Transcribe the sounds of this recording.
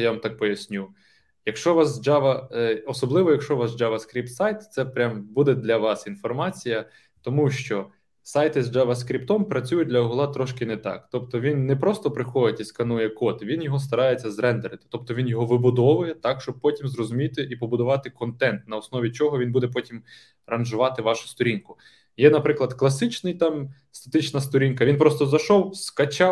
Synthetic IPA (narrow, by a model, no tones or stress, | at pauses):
jaʋɐmt̪ɑk̚pɔjɐsʲnʲu | jɐkʃt͡ʃɔʋɑsd͡ʒɑʋɐɔsɔblˠɪʋɔjɐkʃt͡ʃɔʋɑsd͡ʒɑʋɐskɾʲip̚t̪sɑjt̪t̪sɛpɾʲambud̪ɛd̪lʲɐʋɑsinfɔrmɑt͡sʲijɐ | t̪ɔmuʃt͡ʃɔ | sɑjt̪ɪzd͡ʒɑʋɐskɾʲipt̪ɔmpɾɐt͡sʲujʊt̚ʲd̪lʲɐɔɦʊlˠɑt̪ɾɔʃkɪnɛt̪ɑ̰kt̪ɔpt̪ɔʋʲinːɛpɾɔst̪ɔpɾɪxɔjɪtʲiskɐnujɛkɔt̪ʋʲinjɔɦɔst̪ɐɾɑjet͡sʲːɐzɾɛnd̪eɾɪt̪ɪ̥t̪ɔp̚t̪ɔʋʲinjɔɦɔʋɪbʊd̪ɔʋʊjɛt̪ɑkʃt͡ʃɔb̚pɔtʲimzrɔzʊmʲit̪ɪʔipɔbʊd̪ʊʋɑt̪ɪkɔnt̪ɛnt̪nɐɔsnɔʋʲit͡ʃɔɦɔʋinbud̪ɛp̬ɔtʲim | ɾɐnʒʊʋɑt̪ɪʋɑʃʊ̥st̪ɔɾʲinkʊ | jɛnɐpɾɪklˠɐd̪klˠɐsɪt͡ʃnɪjt̪ɑm | st̪ɐ̥t̪ɪt͡ʃnɐst̪ɔɾʲinkɐʋinpɾɔst̪ɔzɐʃɔwskɐt͡ʃɑw